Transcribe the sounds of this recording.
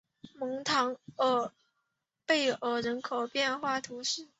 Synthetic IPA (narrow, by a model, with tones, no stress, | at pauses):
mɤ˧˥ŋt̪ʰɑ˧˥ŋə˧˩ | pe˥˩ɪə˨˩ɻə˧˥nkʰo˨˩ʊpjɛ˥˧nxwa˥˩t̪ʰu˧˥ʂɻ̩˥˩